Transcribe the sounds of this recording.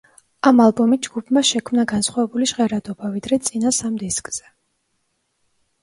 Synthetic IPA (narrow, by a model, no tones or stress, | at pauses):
amalˠbɔmit̪̚d͡ʒɡ̥upʰmaʃɛkʰmnaɡansχwavɛbuliʃʁɛɾad̪ɔbavid̪ɾɛt̪sʼinasamd̪iskʼz̥ɛ